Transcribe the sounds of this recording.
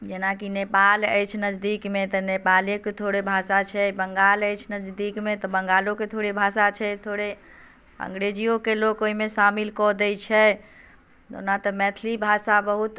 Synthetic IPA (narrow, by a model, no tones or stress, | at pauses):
d͡ʒenakinepaləjt͡ʃʰnəd͡ʒd̪ikmet̪ɔnepaleket̪ʰoɽebʱasat͡ʃʰɛbəŋɡaləjt͡ʃʰnəd͡ʒd̪ikmet̪ɔbəŋɡaloket̪ʰoɽebʱasat͡ʃʰɛt̪ʰoɽe | ə̰̃ŋɡɾed͡ʒijokelokoimesamilkɔd̪ɛjt͡ʃʰɛ | d̪o̰nat̪ɔmɛt̪ʰlibʱasabəɦut̪